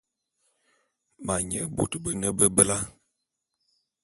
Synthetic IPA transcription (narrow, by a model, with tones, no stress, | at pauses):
ma˨ɲə˦bo̰˨tə˨bə˨nə˦bə˦bə˦la˦